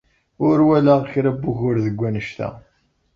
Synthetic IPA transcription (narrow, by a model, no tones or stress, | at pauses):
ʊɾwælaʁçɾæbːuʝʊɾðəɡʷːænəʃt̪æ̰